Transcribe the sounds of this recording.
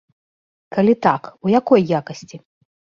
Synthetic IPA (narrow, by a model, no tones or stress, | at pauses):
kalʲit̪akujakɔjːakɐsʲt͡sʲi